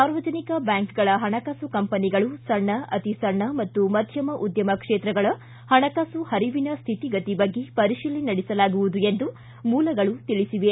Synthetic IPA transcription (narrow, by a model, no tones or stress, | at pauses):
saːɾʋɐd͡ʒɐnikɐbjaːŋkɡɐɭɐɦɐɳɐkaːsukɐmpɐniɡɐɭusɐɳːɐʔɐt̪isɐɳːɐmɐt̪ːumɐd̪ʱjɐmɐʔud̪jɐmɐkʂeːt̪ɾɐɡɐɭɐ | hɐɳɐkasuhɐɾiʋinɐst̪ʰiʈiɡɐt̪ibɐɡːepɐɾiʃiːlinɐɽisɐlaːɡuʋud̪uend̪u | muːlɐɡɐɭut̪iɭisiʋe